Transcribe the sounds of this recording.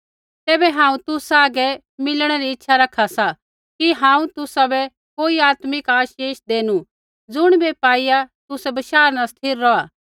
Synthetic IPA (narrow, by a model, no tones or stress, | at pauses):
t̪ɛːbɛɦãːũt̪ʊsaːɡɛ | mɪlɽ̃ɛɾiɪtːʃʰaɾɐkʰasa | kiɦãːũt̪ʊsabɛ | koːiaːt̪mɪkaːʃeːʃd̪eːnu | d͡zʊɽ̃bɛpaːijat̪ʊsɛbɐʃaːɾnast̪ʰiːɾːɔaː